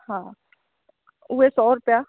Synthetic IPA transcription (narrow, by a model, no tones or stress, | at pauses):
ɦãː | uːesɔːɾʊpja